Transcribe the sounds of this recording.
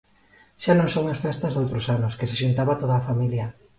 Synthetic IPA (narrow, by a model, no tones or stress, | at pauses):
ʃanõŋsowŋasfɛst̪ɐzðowt̪ɾosanoskeseʃunt̪aβat̪oð̞aːfamiljɐ